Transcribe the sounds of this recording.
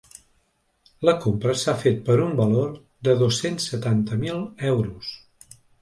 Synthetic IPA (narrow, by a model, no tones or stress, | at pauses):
ləkompɾəsafet̪̚pəɾumbəloɾ | d̪əðosensːət̪ant̪əmilˠɛwɾus